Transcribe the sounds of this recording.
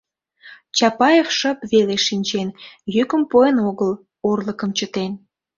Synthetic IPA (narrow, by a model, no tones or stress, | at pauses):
t͡ɕɑpɑjefʃəpβeleʃinʲt͡ɕenjykəmpoenoɣəl | orləkəmt͡ɕət̪en